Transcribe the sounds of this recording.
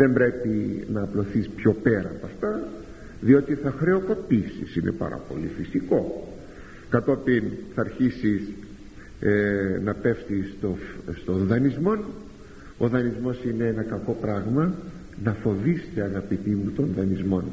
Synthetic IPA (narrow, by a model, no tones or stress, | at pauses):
ðe̞mbɾe̞pinɐːplo̞θispço̞pe̞ɾɐpɐft̪ɐ | ðio̞t̪iθɐxɾe̞o̞ko̞pisḭsinʔe̞̰pɐ̰ɾɐ̰po̞̰lḭfisiko̞ | kɐt̪o̞pinθɐːɾçisis | nɐpe̞ft̪ist̪ost̪o̞nðɐnizmo̞n | o̞ðɐnizmo̞sineenɐkɐko̞pɾɐɣmɐ | nɐfo̞ðist̪eɐɣɐpit̪imut̪onðɐnizmo̞n